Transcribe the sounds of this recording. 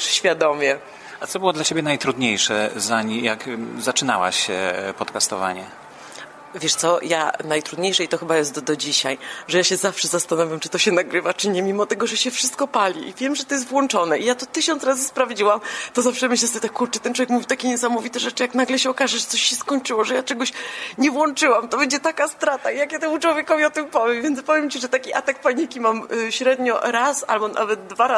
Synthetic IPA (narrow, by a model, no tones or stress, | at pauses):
ɕfʲjad̪ɔmʲjɛ | at̪sɔbɘwɔd̪lat͡ɕebʲjɛnajt̪ɾud̪ɲejʂɛ̰zaɲijakzat͡ʂɘna̰wa̰ɕɛ̰pɔt̪kast̪ɔva̰ɲɛ̰ | vʲjɛʂt̪sɔja̰najt̪ɾud̪ɲejʂɛit̪ɔxɘbajɛst̪d̪ɔd͡ʑiɕajʐɛjaɕɛzafʂɛzast̪anɔvʲjamt͡ʂɨ̥t̪ɔɕɛnaɡɾɘvat͡ʂɘɲɛmʲimɔt̪ɛɡɔʐɛɕɛfʂɨst̪̚kɔpalʲiʔivʲjɛmʐɛt̪ɔjɛs̬t̪vwɔnt͡ʂɔnɛʔijat̪ɔt̪ɘɕɔnsɾazɘspɾavd͡ʑiwamt̪ɔzafʂɛmɘɕlɛsɔt̪akːuɾt͡ʂɛt̪ɛntwɔvʲjekmuvʲit̪akʲɛɲɛsamɔvʲit̪ɛʐɛt͡ʂɨjaknaɡlɛɕɛɔkaʐɛʐɛt̪sɔɕɕɛskɔɲt͡ʂɘwɔʐɛjat͡ʂɛɡɔɕɲɛvwɔnt͡ʂɘwamt̪ɔbɛɲd͡ʑɛt̪akast̪ɾat̪aijakjat̪ɛmut͡ʂwɔvʲjɛkɔvʲiɔt̪ɨmpɔvʲjɛmvʲjɛnt̪pɔvʲjɛmt͡ɕiʐɛt̪akʲiʔa̰t̪ak̚paɲikʲimamɕɾɛd̪ɲɔɾasa̰lbɔna̰vɛd̪d̪vaɾa